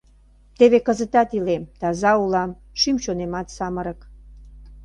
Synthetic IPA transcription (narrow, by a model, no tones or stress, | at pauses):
t̪eβekəzə̆t̪ɑt̪ilemt̪ɑzɑulɑm | ʃymɕonemɑt̪sɑməɾə̆k